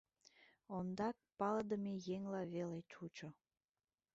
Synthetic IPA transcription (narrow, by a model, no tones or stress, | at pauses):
ond̪ɑk̚pɑləd̪əmejeŋlɑβelet͡ʃut͡ʃo